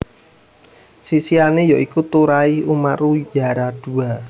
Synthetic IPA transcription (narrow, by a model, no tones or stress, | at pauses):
sisianejɔʔikut̪uɾaiumarujaɾad̥ṳa